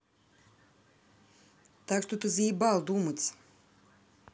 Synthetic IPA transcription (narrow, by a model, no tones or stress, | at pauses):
t̪akst̪ut̪ɨziːbalˠd̪umɨt̪s